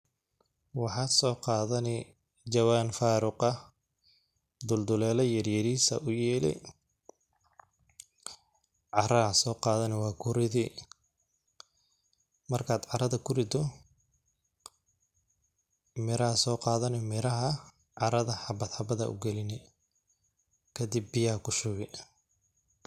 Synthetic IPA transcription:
wɑħɑːd̪sɔːqɑːðɐnɪ | d͡ʒɐwaːnfaːɾʊqɐ | d̪ʊld̪ʊlɛːlɐjɐrjɐɾiːsɐ̰ʔʊjɛːlɪ̰ | ʕɑɾɐɐsɔːqɑːðɐnɛwɑːkʰʊɾɪði | mɐrkʰaːd̪ʕɑɾɐðɐkʰʊrɪd̪ɔ | mɪɾɐhɐsɔːqɑːðɐnɛmɪɾɐɦɐ | ʕɑɾɐðɐħɑbɐd̪ħɑbɐðɐ̰ʔʊ̰ɡɛlɪnɛ | kʰɐd̪ɪbːɪjakʰʊʃʊɣɪ

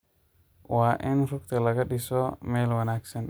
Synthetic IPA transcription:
waːʔɪnrʊkt̪ʰɐlɐɣɐɗɪsɔmɛːlwɐnaːɡsɐn

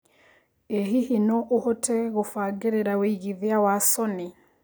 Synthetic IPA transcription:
eɦihinɔʔohotʰɛɣofaɡeɾeɾaweiɣiðijawasɔni

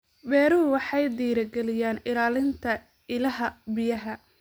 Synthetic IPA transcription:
bɛːɾʊwɑħɑjd̪iːɾɐɡɛlɪjaːnɪlaːlɪnt̪ʰɐ | ɪlɐɦɐbɪjɐɦɐ

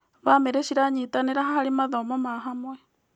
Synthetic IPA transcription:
βameɾeʃiɾaɲiːt̪aneɾaɦaɦaɾimaðoːmomaːɦamwɛ

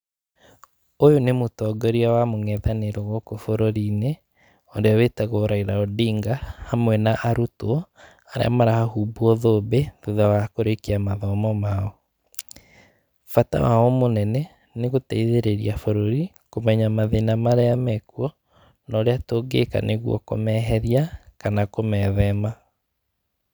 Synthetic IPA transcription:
ojonemotɔɡɔɾiawamoŋɛðaneɾoɣɔkofoɾoɾiːne | ɔdeawetaɣoɾaiɾaɔdiːŋɡahamwɛnaʔaɾutoɔ | aɾḛa̰maɾahahubuɔðoːbeðuðawakoɾekiamaðɔmɔmaɔ | fata̰waɔmonɛnɛ | neɣotɛiðeɾeɾiafoɾoɾi | komɛɲamaðenamaɾeamɛkuɔ | naɾeatoːɡḛka̰neɣwɔ̰ko̰mɛɦɛɾiakanakomɛðɛma

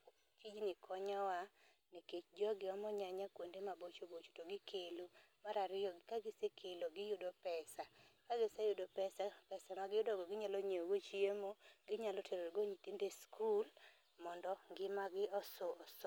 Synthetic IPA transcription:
t͡ʃid͡ʒnɪkʰɔɲawa | niket͡ʃd͡ʒɔɡɪɔmɔɲaɲakwondemabot͡ʃobot͡ʃo̥toɡɪkʰelomaɾaɾɪɔkaɡɪsekʰeloɡɪjʊdopɛsakaɡɪsajʊdopɛsapɛsamaɡɪjʊdɔɡɔɡɪɲaloɲeoɡot͡ʃiemoɡɪɲalɔtʰeɾoɾɡoɲitindeskʰul | mɔndɔŋɡɪmaɡɪɔsoɔs

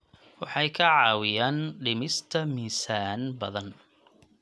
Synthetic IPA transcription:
wɑħɑjkʰɐʕɑːwɪjaːnɖɪmɪst̪ʰɐmiːsaːnbɐðɐn

